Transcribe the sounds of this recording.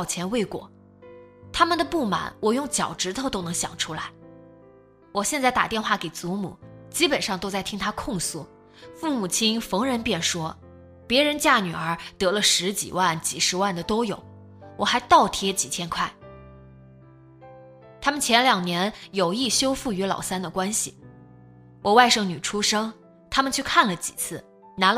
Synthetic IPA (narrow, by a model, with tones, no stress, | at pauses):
ʊt͡ɕʰjɛ˧˥nwe˥˩ɪkwɔ̰˨˩˦ | t̪ʰa˥mə˨nd̪ə˩pu˥˩ma̰˨˩˦nwɔ˨˩jʊ˥˩ŋt͡ɕjɑ˨˩ʊʈ͡ʂɻ̩˧˥t̪ʰo˧˥ʊt̪o˥ʊnɤ˧˥ŋɕjɑ̰˨˩ŋʈ͡ʂʰu˥la˧˥ɪ | wɔ˨˩ɕjɛ˥˧nt͡sa˥˩ɪt̪a˨˩t̪jɛ˥˧nxwa˥˩ke˨˩ɪt͡su˧˥mṵ˨˩˦t͡ɕi˥pə˨˩nʂɑ˥˧ŋt̪o˥ʊt͡sa˥˩ɪt̪ʰi˥ŋt̪ʰa˥kʰʊ˥˧ŋsu˥˩ | fu˥˩mu˨˩t͡ɕʰi˥ŋfɤ˧˥ŋɻə˧˥npjɛ˥˩nʂwɔ˥ | pjɛ˧˥ɻə˧˥nt͡ɕja˥˩ny˨˩ə˞˧˥t̪ɤ˧˥lə˧ʂɻ̩˧˥t͡ɕḭ˨˩wa˥˩nt͡ɕi˨˩ʂɻ̩˧˥wa˥˩nd̪ə˩t̪o˥ʊjo˨˩ʊ | wɔ˨˩xa˧˥ɪt̪ɑ˥˩ʊt̪ʰjɛ˥t͡ɕi˨˩t͡ɕ̪ʰjɛ˥nkʰwa˥˩ɪ | t̪ʰa˥mə˨nt͡ɕʰjɛ˧˥nljɑ˨˩ŋnjɛ˧˥njo˨˩ʊi˥˩ɕjo˥ʊfu˥˩y˧˥lɑ̰˨˩ʊsa˥nd̪ə˨kwa˥nɕḭ˨˩ | wʔɔ˨˩wa˥˩ɪʂɤ˥˩ŋny˨˩ʈ͡ʂʰu˥ʂɤ˥ŋ | t̪ʰa˥mə˨nt͡ɕʰy˥˧kʰa˥˩nlə˩t͡ɕḭ˨˩t͡sʰɹ̩˥˩ | na˧˥l